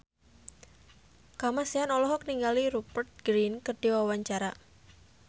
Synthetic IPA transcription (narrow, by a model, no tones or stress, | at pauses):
kamasianɔlɔɦɔkniŋɡaliɾupərt̪̚ɡ̥ɾinkərɖ̥iwawaɲt͡ʃaɾa